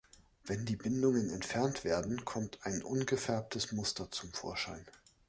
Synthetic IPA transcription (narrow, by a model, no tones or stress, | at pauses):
vɛndiːbɪndʊŋənɛntfɛɐntv̥eːɐdn̩kʰɔmtʰaɪnʔʊnɡəfɛɐp̚tʰəsmʊstɐt͡sʊmfo̰ːɐʃa̰ɪn